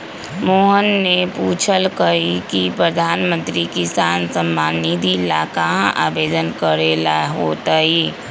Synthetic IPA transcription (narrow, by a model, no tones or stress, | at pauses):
moːɦənːepuːt͡ʃʰəlkəikipɾəd̪ʱaːnmə̃nt̪ɾikɪsaːnsəmːaːnid̪ʱilaːkaɦʔa̰ːbeːd̪ənkəɾeːlaɦoːt̪aiː